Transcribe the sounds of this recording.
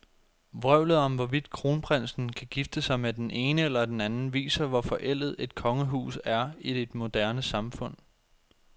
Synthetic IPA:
ʋʁœʊ̰lð̩ˠɒ̽mʋɒʋid̥kʰʁo̝ːnpʰʁan̰sn̩kʰæɡ̥ifd̥əsɑ̈ɪmed̥ene̝ːnəelɐd̥enænn̩ʋḭːsɐʋɒfɒ̽ʔel̰ð̩ˠe̝d̥̚kʰɒ̽ŋəɦṵːsæɐid̥ed̥mo̝d̥æɐnəsɑ̈mfɔ̽n̰

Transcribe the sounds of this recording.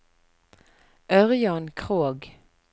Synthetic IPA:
ʔœʁjɑnkʰʁoːɡ

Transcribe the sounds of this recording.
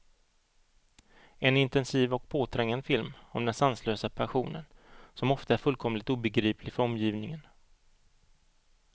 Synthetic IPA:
ɛnɪnt̪ɛnsiːvɔk̚pʰoːt̪ʰɾɛŋːand̪fɪlmɔmd̪ɛnsansløːsapʰæɧuːnə̰nsɔmɔft̪aæɾfɵlkʰɔmlɪt̪uːbɛɡɾiːpʰlɪɡfœɾɔmːjiːvnɪŋən

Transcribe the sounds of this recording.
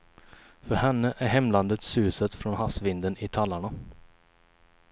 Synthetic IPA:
fœɾhɛnːəʔæɾɦɛmlɑnd̪ət̪sʉːsət̪fɾɔnhɑsʋɪnd̪ənɪt̪ʰɑlːaɳa

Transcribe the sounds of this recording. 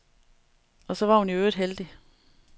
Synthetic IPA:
ɒ̽sɒ̽ʋɑ̈hunjoøːd̥ˠɦeld̥i

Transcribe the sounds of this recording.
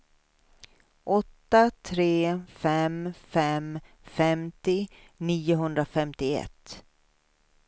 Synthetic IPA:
ʔɔt̪ːat̪ʰɾeːfɛmfɛm | fɛmt̪ɪ | niːʊɦɵnd̪ɾafɛmt̪ɪɛ̰t̪ː

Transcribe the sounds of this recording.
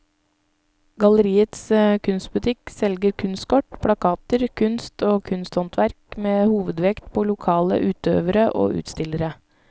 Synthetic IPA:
ɡɑləɾiːət̪skʰʉnst̪̚bʉt̪ʰɪksɛlɡəɾkʰʉnst̪kʰɔʈpʰɽɑkʰɑːt̪əɾkʰʉnst̪ʰoːkʰʉnst̪hɔnt̪ʰʋæɾkmeːhuːʋəd̪ʋɛkt̪pʰoːlʊkʰɑːlə̰ʔʉːt̪ø̰ːʋəɾəʔo̰ːʔʉ̰ːt̪st̪ɪləɾə

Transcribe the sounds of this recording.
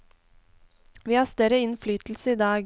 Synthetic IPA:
ʋiːhɑːst̪œɾəɪnflyːt̪l̩səiːd̪ɑːɡ

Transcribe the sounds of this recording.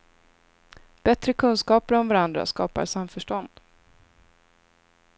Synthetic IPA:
b̥ɛt̪ɾəkʰɵnskɑːpəɾɔmvaɾand̪ɾa̰skɑːpa̰ɾsamːfœʂʈɔnd̪̥

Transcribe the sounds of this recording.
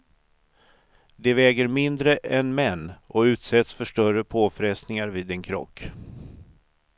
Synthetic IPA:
d̪ɛvɛːɡəɾmɪnd̪ɾəʔɛnmɛnːʔɔʉ̟ːt̪sɛt̪sfœʂʈœrəpʰoːfɾɛst̪nɪŋaɾviːd̪ɛnkʰɾɔ̰kː

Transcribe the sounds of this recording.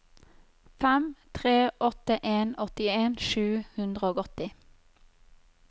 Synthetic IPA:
fɛmt̪ʰʁeːʔɔt̪əʔeːnɔt̪ɪeːnʃʉːhʉnd̪ʁəoːɡɔt̪ɪ

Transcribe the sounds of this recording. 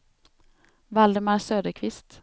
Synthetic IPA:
vald̪əmaɾsøːd̪əɾkʰvɪst̪

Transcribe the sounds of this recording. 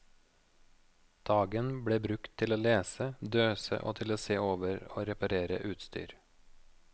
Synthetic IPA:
d̪̥ɑːɡənbɽeːbɾʉkt̪ʰɪloːleːsəd̪øːsə̰ʔo̰ːt̪ʰɪloːseːoːʋəɾo̰ːɾɛpɑɾeːɾə̰ʔʉːt̪st̪y̰ːɾ

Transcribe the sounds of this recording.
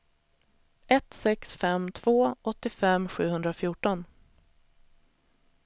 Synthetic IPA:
ɛt̪sɛksfɛmt̪ʰv̥oːʔɔt̪ːɪfɛmɧʉ̟ːhɵnd̪ɾafjuːʈɔn

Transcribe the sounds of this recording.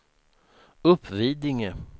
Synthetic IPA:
ɵpʰːviːd̪ɪŋə

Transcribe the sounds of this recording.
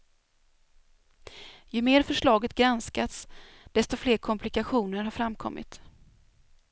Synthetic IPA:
jɵmeːɾfœʂɭɑːɡət̪ɡɾanskat̪s | d̪̥ɛst̪ɔfleːɾkʰɔmpʰlɪkaɧuːnəɾɦaɾfɾamkʰɔ̰mːɪ̰t̪

